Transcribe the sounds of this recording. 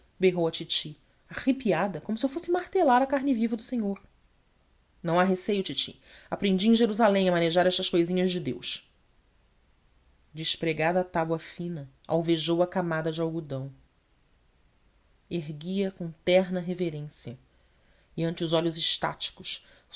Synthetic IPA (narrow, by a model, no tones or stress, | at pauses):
beɦowɐt͡ʃit͡ʃi | aχipiad̪ɐkõmʊsɪewfosɪmaɾt̪elaɾɐkaɾnɪvivɐd̪ʊseɲoɾ | nɐ̃w̃aɦesejʊt͡ʃit͡ʃḭ | apɾẽnd͡ʒiẽj̃ʒeɾuzalẽj̃ɐmɐneʒaɾɛʃt̪ɐsʃkojzĩɲɐzd͡ʒɪd̪ewʃ | d͡ʒɪʃpɾeɡad̪ɐːt̪abwɐfĩnɐ | a̰wveʒowɐkamad̪ɐd͡ʒɪawɡud̪ɐ̃w̃ | eɦɡiɐkõt̪ɛɦnɐɦeveɾẽsjɐ | iɐ̃nt͡ʃɪʊzɔʎʊzɪʃt̪a̰t͡ʃi̥kʊʃ